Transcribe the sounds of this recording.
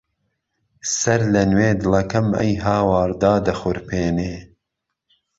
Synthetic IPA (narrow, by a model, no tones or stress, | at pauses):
sɐɾlɐnweːd̪ɨlɐkɐmɐ̰jɦaːwɑːɾd̪aːd̪ɐxʊɾpʰeːneː